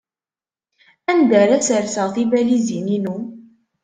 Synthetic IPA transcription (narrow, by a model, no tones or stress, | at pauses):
ænd̪əɾæsəɾsɑθˤibælizininu